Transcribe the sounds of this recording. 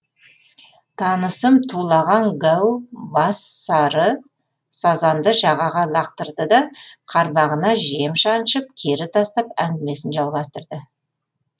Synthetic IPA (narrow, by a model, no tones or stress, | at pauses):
t̪ʰɑnəsəmt̪ʰulˠɑʁɑŋɡæwbɑsɑɾə | sɑzɑnd̪əʒɑʁɑʁɑlˠɑq̚t̪əɾd̪əd̪ɑqʰɑɾbɑʁənɑʒie̞mʃɑnʃəp̚kʲʰe̞ɾɪt̪ʰɑst̪ɑpæŋɡʲɪme̞sɪnʒɑlˠʁɑst̪əɾd̪ə